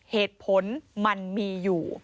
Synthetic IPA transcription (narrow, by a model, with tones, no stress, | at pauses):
heː˨˩t̪̚pʰo˨˦nma˧nmiː˧juː˨˩